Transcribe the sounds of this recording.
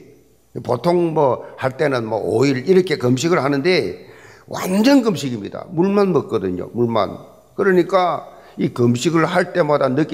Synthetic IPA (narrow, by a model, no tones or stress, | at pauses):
potʰoŋmʌhaɭt͈e̞nɯnmʌ̰oiɾiɾʌkʰe̞kʌmɕ̬ʰiɡɯɭhanɯnde̞wʔa̰nd͡ʑʌnɡɯmɕʰiɡimɲida̰muɭmanmʌk̚k͈ʌdɯɲo̰muɭma̰n | kɯɾʌɲik͈a | ikɯmɕʰiɡɯɭhaɭt͈e̞madanɯk